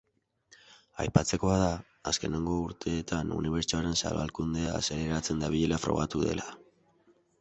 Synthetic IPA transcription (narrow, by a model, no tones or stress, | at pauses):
ajpat͡se̞ko̞aða | aske̞ne̞ŋɡo̞uɾt̪ʰe̞ːt̪anṵniβe̞ɾt͡ʃoaɾe̞nsa̰lβa̰lkund̪ease̞ɾe̞ɾat͡se̞nd̪aβ̞iʎe̞lafɾo̞̰ɣ̞at̪uðe̞̰lʔa